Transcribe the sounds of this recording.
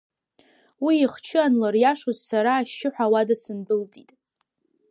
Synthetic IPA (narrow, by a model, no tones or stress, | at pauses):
wiːχt͡ʃʰɨanlarjaʂozsaɾaːʃːɪħʷᶣawadasɨnbɨlt͡sʼitʼ